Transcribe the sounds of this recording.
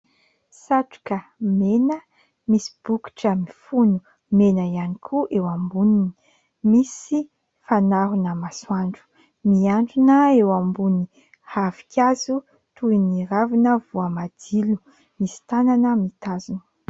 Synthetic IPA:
saʈ͡ʂu̥kəmenə | misi̥b̥uki̥ʈ͡ʂəmifunu | menəianikʰuʔewambunini̥ | misi | fanaɾunəmaswaɳɖ͡ʐu̥ | miaɳɖ͡ʐunəewambuni | havi̥kʲazu | t̪uiniɾavinəvuəmad̪ilu | misi̥t̪ananəmit̪azun

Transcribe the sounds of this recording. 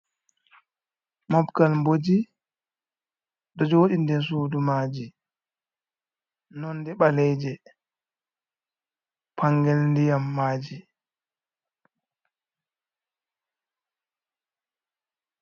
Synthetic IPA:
mɔbkalmbod͡ʒi | ɗɔd͡ʒoːɗindɛs̬uːdumaːd͡ʒi | nɔnːdɛɓalɛjd͡ʒɛ | pʰaŋɡɛlndijamːaːd͡ʒi

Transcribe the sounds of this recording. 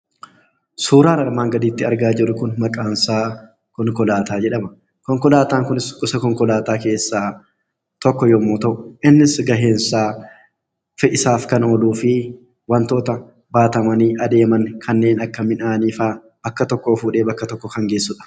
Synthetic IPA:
suːɾaːnɐɾmaːŋɡɐd̪iːt̪ːɪɐɾɡaːd͡ʒɪɾʊkʊnmɐkʼaːnsaː | kɔŋkɔlaːt̪ʰaːd͡ʒɛᶑɐmɐ | kɔŋkɔlaːt̪aːŋkʊnɪskʼʊsɐkɔŋkɔlaːt̪aːke̞ːsːaː | t̪ɔkːɔjɔmːoːt̪ɐʔʊʔɪnːɪsɡɐɦe̞ːnsaː | fɪʔɪsaːfkɐnoːluːfɪ | wɐnt̪o̞ːt̪ɐ | baːt̪ɐmɐniːʔɐd̪e̞ːmɐnkʰɐnːe̞ːnɐkːɐmɪnaːniːfaː | bɐkːɐt̪ɔkːoːfuːᶑe̞ːbɐkːɐt̪ɔkːɔkɐŋɡe̞ːsːʊᶑɐ̥

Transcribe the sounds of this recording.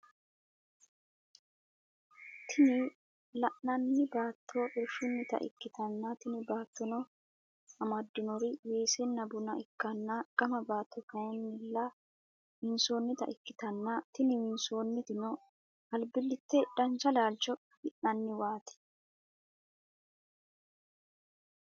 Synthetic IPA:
t̪ʰɪnɪ | lɐʔnɐnːɪbaːt̪ʰːoːʔɪɾfʊnːɪt̪ɐ̰ʔɪ̰kːɪt̪ɐnːɐt̪ɪnɪbaːt̪ːɔnɔ | ɐmɐd̪ːɪnɔɾɪweːsɛnːɐbʊnɐʔɪkːɐnːɐɡ̥ɐmɐbaːt̪ʰːɔkɐjɐnːɪlːɐ | wɪnsoːnːɪt̪ɐ̰ʔɪkːɪ̥t̪ɐnːɐt̪ɪnɪwɪnsoːnːɪt̪ɪnɔ | ɐlbɪlːɪt̪ːɛᶑɐnt͡ʃɐlaːlt͡ʃɔ | ɪʔnɐnːɪwaːt̪ɛ̥

